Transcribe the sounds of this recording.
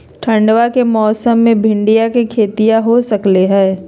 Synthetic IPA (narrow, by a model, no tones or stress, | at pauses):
ʈʰɐ̃ɳɖʋakemɔːsəmːẽbʱɪ̃ɳɖijakekʰeːt̪ijaɦosɐkleɦɛː